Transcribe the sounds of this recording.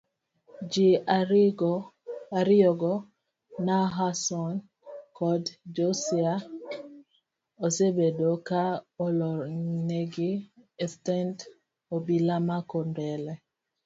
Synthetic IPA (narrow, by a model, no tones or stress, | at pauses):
d͡ʒi | aɾiɔɡɔ | naɦasɔn | kɔdd͡ʒosia | osebedokaɔlɔneɡiɛstɛnt | obilamakɔndɛlɛ